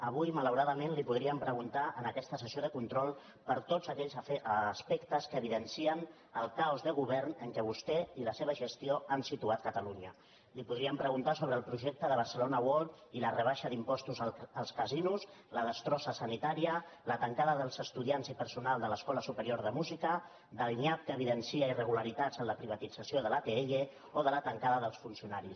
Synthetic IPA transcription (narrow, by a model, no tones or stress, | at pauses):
əβujmələwɾaðəmenlipuðɾiəmpɾəɣunt̪aʔənəkɛst̪əsəsioð̞əkunt̪ɾɔlˠ | pəɾt̪ozəkɛʎzəspɛkt̪əskəːβiðənsiən | əlˠkaɔzðəɣ̞uβɛrnəŋkɛβust̪ɛiləseβ̞əʒəst̪ioansit̪uat̪̚kət̪əluɲə | lipuðɾiəmpɾəɣunt̪asoβɾəːlˠpɾuʒek̚t̪əðəβ̞əɾsəlonəwɔlˠt̪ilərəβ̞aʃəðimpɔst̪uzəlˠskəzinuz | ləðəst̪ɾɔsəsənit̪aɾiələt̪əŋkaðəðəlˠzəst̪uðianzipəɾsunalˠd̪ələskɔləsupəɾioɾð̞əmuzikə | d̪əlˠniap̚kəːβiðənsiəirəɣuləɾit̪ad͡zənləpɾiβ̞ət̪id͡zəsioðəlat̪eee | oðələt̪əŋkaðəðəlˠsfunsiunaɾis